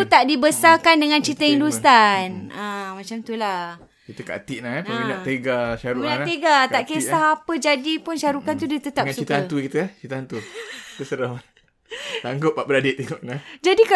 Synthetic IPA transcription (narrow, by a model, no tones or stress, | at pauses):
t̪aʔdibəsakandəŋãnt͡ʃit̪əinlust̪anãmãt͡ʃamt̪ula | kit̪əka̰ʔt̪iʔnahaainaʔt̪eɡaʃaɾuinant̪eɡat̪aʔkesaɦapəd͡ʒadipunʃaɾukant̪udit̪ət̪apŋãsut͡ʃit̪aant̪ukit̪ət͡ʃit̪əant̪uit̪əsəɾama | t̪aŋɡʊʔ̚baʔbəɾadit̪ːeŋɔʔnad͡ʒadika